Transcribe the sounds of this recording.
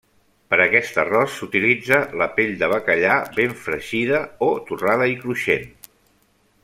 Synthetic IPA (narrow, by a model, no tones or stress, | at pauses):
pəɾəkɛst̪ə̰rɔsːut̪ilid͡zələpeʎd̪əβəkəʎaβeɱfɾəʒiðəot̪uraðəikɾuʃen